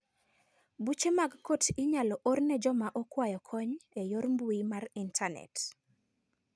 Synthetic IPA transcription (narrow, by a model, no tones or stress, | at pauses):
but͡ʃemaɡkotʰɪɲalɔʔornɛd͡ʒɔmaʔokwajɔkʰɔɲejoɾmbuimarintʰanɛ̰t